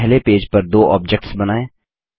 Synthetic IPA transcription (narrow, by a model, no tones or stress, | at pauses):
ɦlepeːd͡ʒpɐɾd̪oːʔɔ̰ːb̚d͡ʒɛk̚ʈsbɐnaːẽː